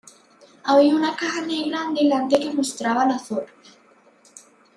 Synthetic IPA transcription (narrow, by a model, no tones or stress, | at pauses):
aβiaunakaxaneɣɾand̪elant̪̬eke̞most̪ɾaβalaθoɾ